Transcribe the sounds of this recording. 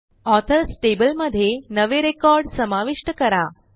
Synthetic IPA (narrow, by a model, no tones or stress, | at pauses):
ɔt̪ʰəlsʈebəlməd̪ʱjenəʋeɾekɔɾɖsəmaʋiʃʈəkəɾa